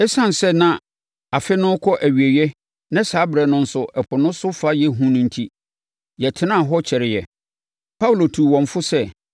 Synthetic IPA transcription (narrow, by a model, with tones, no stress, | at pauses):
ɛ˦sã˦˨n˨sɛ˦nã˦ | a˨fɪ˦nʊ̃˦kʰɔ˦ʔæ˨ɥi˨e˨ɥɛ˦ | nã˦saː˨˦bɾɛ˨nʊ̃˦n̩˦sʊ˦ʔɛ˨pʰʊ˨nʊ̃˦sʊ˦fa˦jɛ˦ɦũ˦nʊ̃˦n̩˦tʰi˦ | jɛ˨tʰɪ˦nã˦˨ɦɔ˦t͡ɕʰɛ˨ɾɪ˨jɛ˨ | pʰa˦wu˨lo˨tʰu˨wɔ̃˨ɱ˨fʊ˦sɛ˦˨